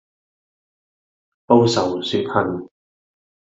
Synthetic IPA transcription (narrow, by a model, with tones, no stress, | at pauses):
po˥wsɐ˨wsyː˨˥t̚hʰɐ˧˩n